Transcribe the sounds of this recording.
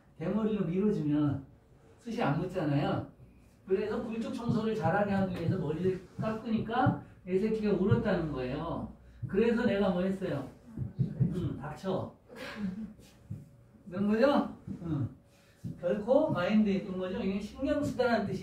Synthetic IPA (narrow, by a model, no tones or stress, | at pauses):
te̞mʌɾiɾomiɾʌd͡ʑimjʌn | sʰɯɕʰianmut͡ɕ͈anajo | kɯɾe̞sʰʌkuɭt͡ɕ͈ok̚t͡ɕʰoŋsʰʌɾɯɭt͡ɕaɾɦaɡeɦanies̬ʰʌmʌɾidɯɭk͈ak͈ɯɲik͈aesʰekʰiɡeuɾʌt̚t͈anɯnɡʌe̞jo | kɯɾe̞s̬ʰʌne̞ɣamʌɦes͈ʌjo | ɯtak̚t͡ɕʰʌ | kɯɾʌnɡʌd͡ʑoɯ | kjʌɭkʰokaindet͈ɯnɡʌd͡ʑoiɡeɕʰinɡjʌmɕʰidanant͈ɯɕʰi